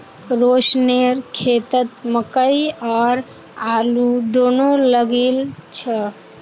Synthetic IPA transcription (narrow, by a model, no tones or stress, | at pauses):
ɾosneɾkʰet̪ət̪məkəjɔːɾ | alud̪onoləɡelt͡ʃʰə